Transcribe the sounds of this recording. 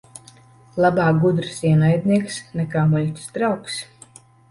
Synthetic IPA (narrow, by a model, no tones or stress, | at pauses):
lˠabaːɡud̪ɾɨsiɛnajd̪ʲniɛksnɛkaːmulʲt̪ʲsd̪ɾawks